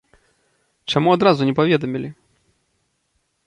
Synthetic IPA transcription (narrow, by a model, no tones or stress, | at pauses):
t͡ʂɛmuɔd̪ɾazuɲʲɛpɔvʲjɛd̪ɔmʲilʲi